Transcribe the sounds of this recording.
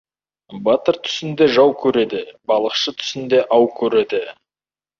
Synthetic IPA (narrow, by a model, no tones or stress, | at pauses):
bɑt̪əɾt̪ʰʏ̥sɪnd̪e̞ʒɑwkʲʰɵɾe̞d̪ɪbɑlˠəqʃət̪ʰʏ̥sɪnd̪e̞ʔɑwkʲʰɵɾe̞d̪ɪ